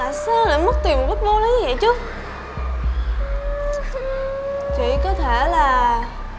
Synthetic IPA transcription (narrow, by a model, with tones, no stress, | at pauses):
a˨˩saː˧ŋlaː˨˩mə˦˥k̚t̪i˨˩mo˨˩ka˦˥k̚ɗo˧˦ɗɔ˨˦ɲɨ˧və̰˧˨jt͡ɕɨ˦˥ə | t͡ɕḭ˧˨kɔ˨˦t̪ʰe˧˩laː˨˩